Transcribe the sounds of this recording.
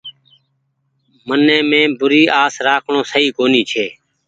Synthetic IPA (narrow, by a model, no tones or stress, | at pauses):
mənːẽːmẽːbʊɾiːʔaːsɾaːkʰɳõːsəɦiːkoːniːt͡ʃʰeː